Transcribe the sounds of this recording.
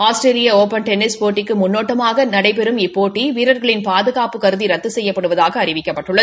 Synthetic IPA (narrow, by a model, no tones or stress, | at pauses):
aːsʈɾeːlɪjɐoːpɐnʈɛnːɪspoːʈːɪkːɯmʊnːoːʈːɐmaːɣɐnɐɽɐɪpɛɾɯmɪpːoːʈːiʋiːɾɐɾɣɐɭɪnpaːðɯɣaːpɯkɐɾɯðiɾɐt̪ːɯsɛjːɐpːɐɽɯʋɐðaːɣɐːɾɪʋɪkːɐpːɐʈːɯɭːɐð